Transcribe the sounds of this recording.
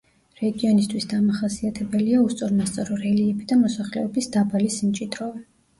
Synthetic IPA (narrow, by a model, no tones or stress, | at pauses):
ɾɛɡiɔnist̪ʰwisd̪amaχasiat̪ʰɛbɛliaust̪sʼɔɾmast̪sʼaɾɔɾɛliɛbid̪amɔsaχlɛ̰ɔbisd̪abalisimt͡ʃʼid̪ɾɔvɛ